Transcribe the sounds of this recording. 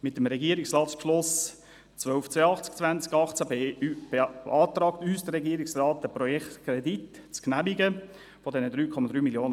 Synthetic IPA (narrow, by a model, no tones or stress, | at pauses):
mɪtːəmɾɛɡiəɾɪkslɑːtspʃlʊs | t͡svœlft͡seɑχt͡sk̚t͡svænt͡skɑχt͡sabeb̥eɑːt̪ɾɑːktyːsd̥əɾɛɡiəɾiksrɑːt̚dəprɔjɛktkʰɾɛdit | t͡sknæmiɡə | fɔdɛnəd̪ɾyːkʰɔmɑd̥̪ɾyːmiljoːnə